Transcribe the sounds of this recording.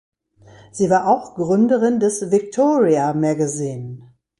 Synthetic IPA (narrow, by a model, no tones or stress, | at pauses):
z̥iːvaːɐʔaʊxɡ̥ʁʏndəʁɪndɛsvɪktʰoːʁiamɛɡaziːn